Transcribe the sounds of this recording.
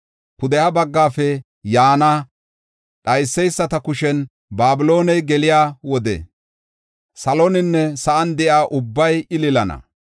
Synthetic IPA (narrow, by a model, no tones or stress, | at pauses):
kʊd̪ɛjaːbɐɡːaːfɛ | jaːna | ɗɐjsːɛjsːɐt̪ɐkʊʃɛn | baːbɪlo̞ːnɛjɡɛlɪjaːwɔd̪ɛ̰ | sɐlonɪnːɛsɐʔɐnd̪ɛʔaːʔʊbːɐjɪlɪlɐnɐ̰